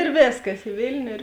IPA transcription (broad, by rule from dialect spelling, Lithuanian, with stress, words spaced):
eːr ˈʋʲeːskɐs ɪ ˈʋʲeːlʲnʲʊ ɪr